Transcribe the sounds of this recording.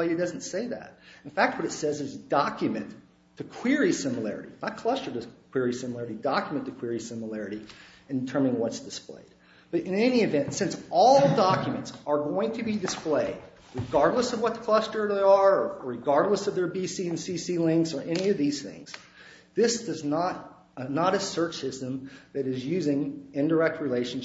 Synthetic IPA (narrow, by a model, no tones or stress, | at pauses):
ɪɨd̥ʌzn̩tseɪðæ̰ɾɨ̃n̩fæk̚t̚wʌɾɨtsɛzɨzdɑkjɨmɨ̃nʰ | ɨkʰw̥ɪɹisɪ̃məlɛ̰ɹɨ̰ɾḭnət̚kʰl̥ʌstə˞d̚ɨkʰw̥ɪɹisɪ̃məlɛɹɨɾidɑkjəmɨ̃ntʰɨkʰw̥ɪɹisɪ̃məlɛɹɨɾi | ɨ̃ntʰɜ̃˞mɪ̃ŋwʌtsd̥ɨsplḛɪd̚ | b̥ʌɾɨ̃nɛñiɨvɛ̃ntsɪ̃nsɔlˠdɑkjɨmɨ̃ntsə˞ɡoʊɪ̃ŋtʰɨbidɨspleɪd̚ | ɹɨɡɑɹdˡləsʌvwʌt̚kʰl̥ʌstə˞də˞ɹɨɡɑɹdˡləsʌvðə˞bisiɨ̃nsisilɪ̃ŋksə˞ʔɛniʌvðiz̥θɪ̰̃ŋz̥ | ðɪsd̥ʌznəɾ | nəɾɨsɜ˞t͡ʃsɪstɨ̃mðɨɾɨzjʉzɪ̃ŋɪ̃ndə˞ɛk̚t̚ɹileɪʃn̩